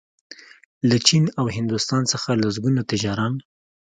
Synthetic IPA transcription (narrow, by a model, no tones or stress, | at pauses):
lat͡ʃinawhɪnd̪ʊst̪ɑnsəxalazɡunat̪ɪd͡ʒɑɾan